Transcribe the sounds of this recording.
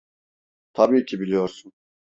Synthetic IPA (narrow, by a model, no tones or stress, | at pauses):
t̪ʰabiːcʰibilʲijoɾsun